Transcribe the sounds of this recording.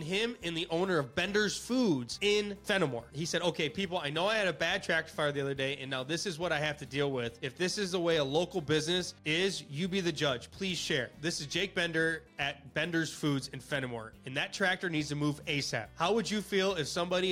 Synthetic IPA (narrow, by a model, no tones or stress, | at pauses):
nɪ̃mɨ̃nðiʔõʊ̃nə˞ʌvbɛ̃ndə˞z̥fudz̥ɪ̃nfɛnəmɔ̰ɹhisɛɾoʊkʰeɪpʰipl̩ˠaɪnoʊaɪɨɾɨbæd̚tʰɹ̥æk̚tə˞fɑɹðiʌðə˞deɪʔɨ̃nːaʊðɪsɨzwʌɾaɪhæftɨdilˠwɪðɨfðɪsɨzðəweɪəloʊkl̩ˠbɪznɨsɪzjɨbiðɨd͡ʒʌd͡ʒʒ̥pʰl̥iz̥ʃɛɹðɪsɨzd͡ʒeɪk̚b̥ɛ̃ndə˞ɨt̚b̥ɛ̃ndə˞z̥fudzɨ̃nfɛñɨmɔ̰ɹɨ̃nðɨtʰɹ̥æk̚tə˞nidz̥tʰɨmuveɪsæ̰p̚haʊwəd͡ʒɨfilˠɪfsʌ̃mbɑɾi